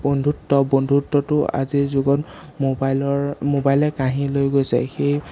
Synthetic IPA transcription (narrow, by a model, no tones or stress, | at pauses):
bondʱutːɔbondʱutːɔtʊa̰zizuɡɔt | mobalɔɹmobajlɛkaɦilojɡojsɛ̰xej